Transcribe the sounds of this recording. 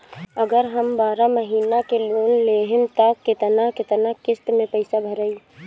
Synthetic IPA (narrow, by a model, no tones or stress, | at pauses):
əɡəɾɦəmbaːɾaməɦiːnakeloːnleːɦɪmt̪akɪt̪nakɪt̪nakɪst̪mẽpəɪsabʱəɾəi